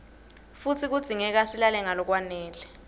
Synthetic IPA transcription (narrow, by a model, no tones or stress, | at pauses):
fut͡sʰik̬ud̥z̥ʱiŋɛk̬asilalɛŋalɔk̬wanɛːlɛ